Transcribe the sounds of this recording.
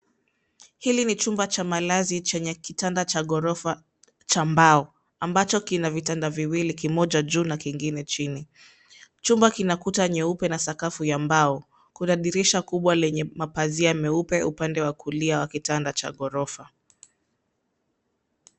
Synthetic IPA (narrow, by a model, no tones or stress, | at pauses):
hilinit͡ʃumbat͡ʃamalazit͡ʃɛɲɛkitandat͡ʃaɠɔɾɔfa | t͡ʃambaɔ | ambat͡ʃɔkinavitandaviwilikimɔʄaʄuːnakiŋɡinɛt͡ʃini | t͡ʃumbakinakutaɲɛupɛnasakafujambaɔ | kuɗaɗiɾiʃakuɓwalɛɲɛmapaziamɛupɛupandɛwakuliawakitandat͡ʃa̰ɠɔɾɔfa